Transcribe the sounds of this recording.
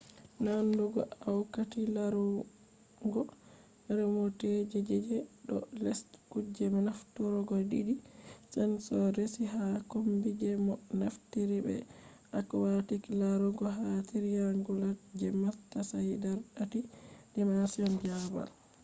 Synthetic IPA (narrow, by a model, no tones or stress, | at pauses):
nanduɡɔ̰ʔawkatilaɾɔ | ŋɡɔ | ɾɛmɔtɛd͡ʒɛd͡ʒɛd͡ʒɛɗɔ̰lɛstkud͡ʒɛmɔnaftuɾɔɡɔdidisɛnsɔɾesiɦakombid͡ʒɛmɔnaftiɾibɛ̰ | ʔakwatiklaɾɔɡɔɦatiɾijaŋɡulad͡ʒɛmatːasajdaɾɗatidɛmasiɔnd͡ʒaba̰l